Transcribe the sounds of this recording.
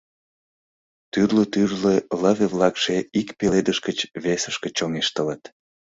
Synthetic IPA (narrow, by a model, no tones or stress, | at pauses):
t̪yrlət̪yrlelɑβeβlɑkʃeikpeled̪əʃkət͡ɕβesəʃkət͡ɕoŋeʃt̪ələt̪